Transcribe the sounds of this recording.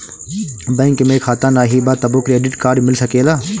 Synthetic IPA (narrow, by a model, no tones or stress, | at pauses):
bɐ̃ŋkmẽkʰaːt̪aːnaːɦiːbaːt̪ɐboːkɾieːɖɪʈkaːɾɖmɪlsɐkeːlaː